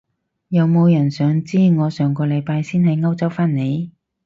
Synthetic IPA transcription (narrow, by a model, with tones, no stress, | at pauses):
jɐ˨˧wmo˨˧wjɐ˨˩nsœː˨˧ŋt͡siː˥ŋɔː˨˧sœː˨ŋkɔː˧lɐ˨˧jpaː˧jsiː˥nhɐ˨˧jŋɐ˥wt͡sɐ˥wfaː˥nne˨˧j